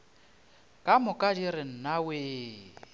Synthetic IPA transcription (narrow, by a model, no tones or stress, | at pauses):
kʼamʊkʼadiɾɪn̩naweː